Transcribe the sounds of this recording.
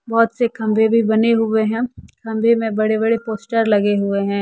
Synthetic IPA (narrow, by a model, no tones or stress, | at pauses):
bɔːt̪sekɐ̃mbʱebʱibɐneɦʊeɦɛ̃ːkɐ̃mbʱemẽbɐɽebɐɽepoːsʈəɾlɐɡeɦʊeɦɛ̃ː